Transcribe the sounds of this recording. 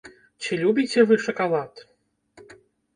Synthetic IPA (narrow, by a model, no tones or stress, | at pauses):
t͡ɕilʲubʲit͡sʲɛvɨʂɐkalˠat̪